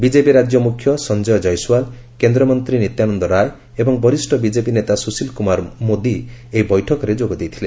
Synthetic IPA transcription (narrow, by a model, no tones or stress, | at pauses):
bid͡ʒepiɾad͡ʒjɔmukʰjɔsɔnd͡ʒɔjɔd͡ʒɔjsuwal | kend̪ɾɔmɔnt̪ɾinit̪janɔnd̪ɔɾaj | ebɔŋbɔɾisʈʰɔbid͡ʒepinet̪asusilkumaɾmod̪ieɦibɔjʈʰɔkɔɾed͡ʒoɡɔd̪ejt̪ʰile